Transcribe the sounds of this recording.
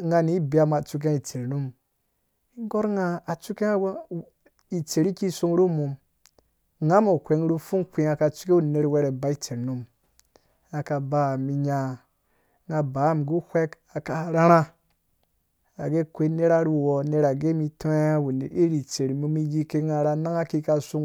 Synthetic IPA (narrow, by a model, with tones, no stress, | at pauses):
ŋɡa˧ni˨˦bi˨a˨ma˨t͡ʃu˧k̬ẽ˦i˨t͡ʃe˨ɾnu˦m | i˦ŋ˦ɡo˦ɾŋa˦a˨t͡ʃu˦ke˦ | i˨t͡ʃe˨ɾi˦ki˦su˧ŋ˦ɾu˦mu˨m | ŋa˦mo˨kʷe˨ŋ˦ɾu˦fu˦ŋkʷi˧a˨ka˨t͡ʃu̥˦ke˦wu˦˨ne˨ɾwe˧ɾe˨ba˦i˦t͡ʃe˨ɾnu˦m | a˨ka˨ba˨mi˨ɲa˧ | ŋa˨ba˨˦˨mɡu˦hʷe˦ka˨ka˨ɾa˦ɾa˦ | a˨ɡe˦kʷe˦ne˦ɾa˦ɾu˦wo˨ne˨ɾa˨ɡe˦mi˧to˦e˦wu˨ne˨ɾi˦ɾi˨t͡se˨ɾi˨mu˧mi˦ji˦ke˦ŋa˨ɾa˧na˦ŋa˦ki˦ka˧su˦ŋ